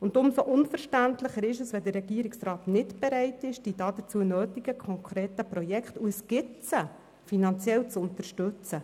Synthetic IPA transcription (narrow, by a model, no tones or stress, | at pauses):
ʊntʊnsoʔʊnfəɾʃtæntləχəɾɪʃəsʋɛdərːɛɡiəɾɪksrɑːtnɪtb̥ɛɾɛɪtɪʃd̥id̥ɑːdət͡suənøːtɪɡəkʰɔŋkʰɾeːtəprɔjɛkχtuəsɡ̥ɪtt͡sə | finɑnt͡sjɛlt͡sʊnt̪əʃtɵt͡sə